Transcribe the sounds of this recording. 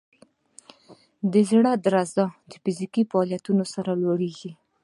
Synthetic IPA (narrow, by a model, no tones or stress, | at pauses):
d̪əzɽad̪əɾazd̪ɑd̪əfɪzikifaːljat̪unosaɾalwoɽeɡi